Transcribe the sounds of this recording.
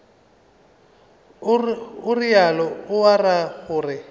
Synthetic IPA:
ʊrialɔʊwaraɣʊːrɪ

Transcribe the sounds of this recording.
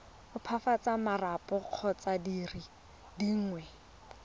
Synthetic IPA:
ʊpʰafat͡samarapɔq͡χʰɔt͡sadiri | diŋ̩ŋwɛ

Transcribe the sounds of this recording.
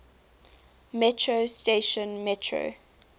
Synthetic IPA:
mɛtʰɹosteʃə̃nmɛtʰɹo̰

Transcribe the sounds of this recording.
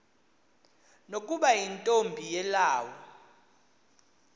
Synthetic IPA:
nokʼuɓajintʼombʱijɛlaːwɔ

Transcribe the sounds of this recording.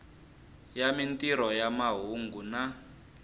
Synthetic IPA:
jamintiɾɔjamaɦuŋɡuna

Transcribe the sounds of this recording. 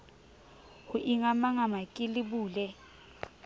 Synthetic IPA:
huʔiŋamaŋamakʼilibuːlɛ

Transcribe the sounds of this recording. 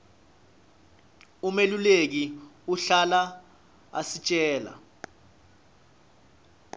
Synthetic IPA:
umelulek̬iuɬala | a̰sit͡ʃʼɛːla̰

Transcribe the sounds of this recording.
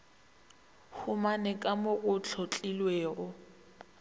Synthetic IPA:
hʊmanɛkʼamʊɣʊt͡ɬʰɔt͡ɬʼilweːɣɔ

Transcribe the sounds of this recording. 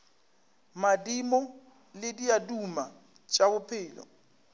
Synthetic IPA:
madimɔ | lɪdiaduma | t͡ʃʼabʊpʰɪːlɔ̰

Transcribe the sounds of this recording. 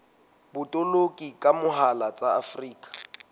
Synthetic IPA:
bʊtʼolokʼikʼamʊɦalat͡sʼaafriːkʼḁ

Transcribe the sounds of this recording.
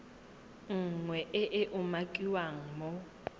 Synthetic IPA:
ŋ̩ŋwɛʔɪʔɪʔʊmakʼiwaŋ̩mo

